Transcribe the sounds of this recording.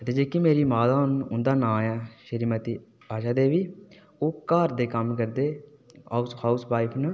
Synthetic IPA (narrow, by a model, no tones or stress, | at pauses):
ət̪eːd͡ʒeːkimeːɾiːmaːd̪aːʊnʊnd̪aːnãːjaːʃəɾiːmət̪iː | aːʃaːd̪eːʋiː | oːkaːɾd̪eːkəmkəɾd̪eː | a̰ːsaːʊsʋaːɪpʰnə